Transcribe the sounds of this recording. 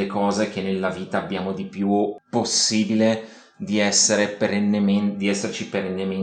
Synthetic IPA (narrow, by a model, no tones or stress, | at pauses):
ekɔːzek̟enːelːaviːt̪aːbːjaːmod̪ipjuposːiːbile | d̪iɛsːeɾepeɾenːemend̪iɛsːert͡ʃipeɾenːeme